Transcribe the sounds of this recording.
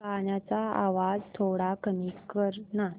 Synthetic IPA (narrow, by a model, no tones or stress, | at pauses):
anjat͡saa̰ʋad͡zt̪ʰoɽakʰəmiːkəɾna